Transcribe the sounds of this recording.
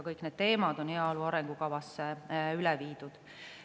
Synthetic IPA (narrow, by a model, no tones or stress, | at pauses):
kɤjkːˑne̞d̪̥t̪e̞ːmɑd̪̥o̞neɑoluɑɾeŋɡ̥ukɑvɑsːeylɛviːd̪̥ud̪̥